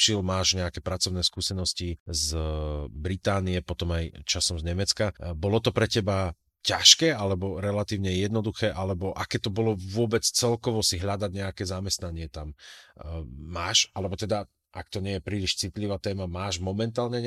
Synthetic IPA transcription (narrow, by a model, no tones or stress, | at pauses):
ʃilmaːʒɲɛakɛːpɾat͡sɔʊnɛːskuːsɛnɔsciz | bɾit̪aːniɛpɔt̪ɔmajt͡ʃasɔmzɲɛmɛt͡skabɔlɔt̪ɔpɾɛcɛba | caʃkɛːʔalɛbɔɾɛlat̪iːʊɲɛjɛd̪nɔd̪uxɛːʔalɛbɔʔakɛt̪ɔbɔlɔʋʊɔbɛt͡st͡sɛlkɔʋɔsiɦʎad̪aɟɲɛakɛːzamɛst̪naɲɪɛt̪am | maːʃalɛbɔt̪ɛd̪a | ʔak̚t̪ɔɲɪɛjɛpɾiːliʃt͡sit̪liʋaːt̪ɛːmamaːʒmɔmɛnt̪aːlɲɛɲ